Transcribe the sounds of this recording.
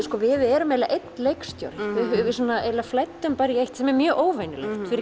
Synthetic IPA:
skɔːvɪðɛɾʏmːɛjla̰ʔejt̪nlejkst̪jo̰wɾvɪʏvɪsuːnaejlaflɛjt̪ːʏmpaːɾiejht̪sɛmɛɾmjœːʔoːwvejnɪlḛxt̪fɪɾɪ

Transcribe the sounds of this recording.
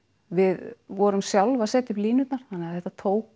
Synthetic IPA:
vɪðvɔɾʏmsjawlvaðsɛːt̪ɪpliːnʏt̪naɾ̥θanːɛːaθɛht̪at̪ʰoːwk

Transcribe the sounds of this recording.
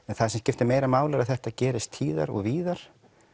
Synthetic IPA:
ɛnθaðsɛmscɪft̪ɪmeːjɾamaːwlaɾaðθɛht̪acɛːɾɪst̪ʰiːða̰ɾɔ̰ɣviːðaɾ̥

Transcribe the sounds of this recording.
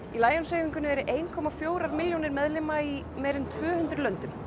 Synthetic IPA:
ilaːjɔnseːjviŋkʏnːɪɛɾʏʔeːjnkʰɔːmafjoːwɾaɾmɪljownɪɾmɛðlɪmai | mɛːɾɪnt̪ʰvœːhʏnt̪ɾʏlœnt̪ʏm

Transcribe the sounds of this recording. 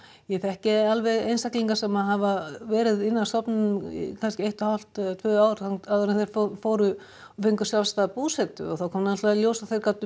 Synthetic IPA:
jɛθɛhcɪalvɛɣḛjnsakliŋkasɛmaɦavavɛːɾɪðɪnːast̪ɔpnʏnʏm̰kʰanscɪejht̪ahal̥t̪t̪ʰvœːaːwɾaŋaðʏɾɪnθejɾ̥ffoːwɾʏ | fɪŋkʏ̥sjavst̪aðpuːsɛt̪ʏ̰ɔθawkʰɔːmnaɛnst̪avaljowsaθejɾ̥kawt̪ʏ

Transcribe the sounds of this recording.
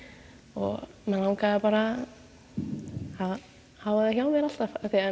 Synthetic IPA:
ɔɣ | mɛnlawnkaapaɾa | að | hawvaðaçjawmɛɾal̥t̪avaθɛa

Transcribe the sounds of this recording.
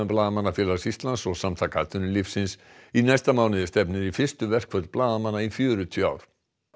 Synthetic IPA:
ʏmplaːðamanːafjɛːlasist̪lansɔɣsamt̪ʰakat̪ʏnɪlifsɪnsinajst̪amaːwnɪðɪst̪ɛpnɪɾifɪr̥st̪ʏvɛr̥kʰvœɾt̪lplaːðamanːaifjœːɾʏt̪ʰʏa̰ːwɾ̥

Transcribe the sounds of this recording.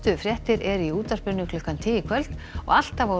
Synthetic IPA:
t̪ʏfɾjɛht̪ɪɾɛɾiuːt̪aspɪɾnʏkʰlʏhkant̪ʰɪːjɪkʰvœlt̪nɔ̰ɣal̥t̪ava

